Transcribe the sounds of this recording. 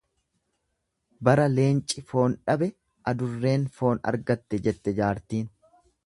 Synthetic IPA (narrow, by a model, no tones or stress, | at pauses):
bɐɾɐle̞ːnt͡ʃʼɪfo̞ːnᶑɐbɛ | ʔɐd̪ʊrːe̞ːnfo̞ːnɐ̰ɾɡɐt̪ːɛd͡ʒɛt̪ːɛd͡ʒaːɾt̪iːn